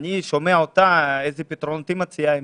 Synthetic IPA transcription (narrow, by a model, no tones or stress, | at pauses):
niʃomeaot̪aezepet̪ɾont̪imat͡sijae